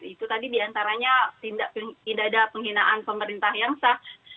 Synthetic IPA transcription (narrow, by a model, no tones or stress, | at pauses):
it̪ut̪adidiant̪aɾaɲat̪indaʔpəŋt̪indadapəŋhinaʔanpəməɾint̪ahjaŋsah